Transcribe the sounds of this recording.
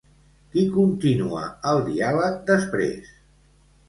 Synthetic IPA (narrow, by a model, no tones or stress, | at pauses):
kikunt̪inuə̰əlˠd̪ḭaβəd̪əspɾḛs